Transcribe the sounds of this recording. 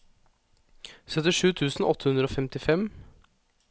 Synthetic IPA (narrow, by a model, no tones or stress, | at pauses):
sœt̪ɪʂʉːt̪ʰʉːsn̩ɔt̪ʰːəhʉnd̪ɾəoːfɛmt̪ɪfɛm